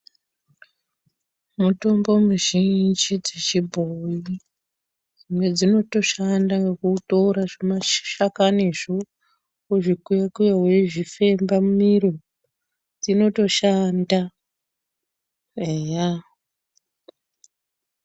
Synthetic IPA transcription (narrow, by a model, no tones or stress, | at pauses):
muto̞mbo̞muʒind͡ʒid͡zet͡ʃibʱoi | d͡zimwed͡zino̞to̞ʃandaŋɡekutoɾaʐemaʃakaniʐo | uʐikujakujaɦeʐife̞mbamumiɾo | d͡zino̞to̞ʃanda | eja